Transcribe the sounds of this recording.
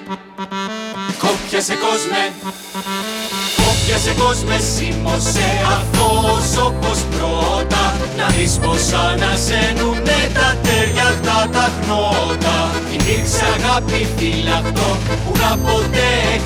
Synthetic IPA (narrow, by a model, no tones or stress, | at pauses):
kopçɐsekozme | kopçɐseko̞zmesimoseɐft̪osopospɾot̪ɐ | nɐðisposɐnɐsenunet̪ɐt̪eɾʝɐt̪ɐt̪ɐɣnot̪ɐ | inikseɐɣɐpitilɐft̪o | punɐpot̪e